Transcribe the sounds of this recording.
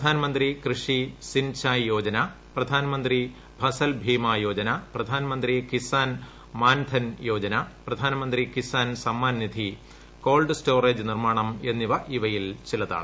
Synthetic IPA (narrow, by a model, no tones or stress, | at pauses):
pɐd̪ʱaːnɐmɐnd̪rikrɨʂisint͡ɕaːjjo̞ːd͡ʑɐnɐ | prɐd̪ʱaːnɐmɐnd̪ri | bʱɐsɐlbʱiːmajo̞ːd͡ʑɐnɐprɐd̪ʱaːnɐmɐnd̪rikisaːn | maːnd̪ʰʱɐnjo̞ːd͡ʑɐnɐprɐd̪ʱaːnɐmɐnd̪rikisaːnsɐmːaːnːid̪ʱi | ko̞ːlɖɨsto̞ːreːd͡ʑɨnirmaːɳɐme̞nːiʋɐʔiʋɐjilt͡ɕilɐða̰ːɭ